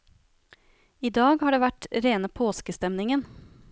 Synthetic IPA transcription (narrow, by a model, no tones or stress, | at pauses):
iːd̪ɑːɡhɑːɖeːʋæʈɾeːnəpʰoːskəst̪ɛmnɪŋən